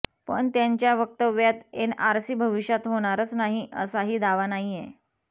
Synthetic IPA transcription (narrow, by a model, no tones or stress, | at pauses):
pə̰ɳt̪jaɲt͡ɕjaʋək̚t̪əʋjat̪enaɾsiːbʱəʋiɕjat̪ɦoɽ̃aɾət͡snaɦiə̰saɦiːd̪aʋanaɦije